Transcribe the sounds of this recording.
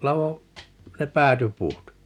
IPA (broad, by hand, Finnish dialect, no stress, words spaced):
lɑʋo ne pæːtypuːt